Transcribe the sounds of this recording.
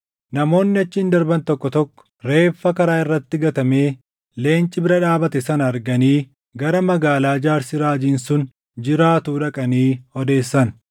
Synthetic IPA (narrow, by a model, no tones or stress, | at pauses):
nɐmo̞ːnːɪɐt͡ʃːɪɪnd̪ɐɾbɐnt̪ɔkːɔt̪ɔkːɔ̥ɾe̞ːfːɐkɐɾaːɪrːɐt̪ːɪɡɐt̪ɐme̞ː | le̞ːnt͡ʃʼːɪbɪɾɐᶑaːbɐt̪ɛsɐnɐɾɡɐniː | ɡɐɾɐmɐɡaːlaːd͡ʒaːɾsɪɾaːd͡ʒiːnsʊn | d͡ʒɪɾaːt̪uːᶑɐkʼɐniːhɔd̪e̞ːsːɐn